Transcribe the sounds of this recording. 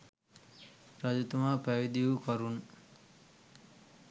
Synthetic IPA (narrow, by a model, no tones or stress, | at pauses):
ɾad͡ʒut̪umaːpæʋid̪ijukɐɾun